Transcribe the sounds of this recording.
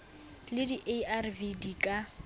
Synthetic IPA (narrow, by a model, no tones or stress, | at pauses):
lɪdiʔearvidikʼa